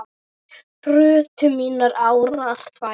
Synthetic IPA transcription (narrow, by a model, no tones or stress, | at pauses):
prʏːt̪ʰʏmiːnaɾaːwɾaar̥t̪va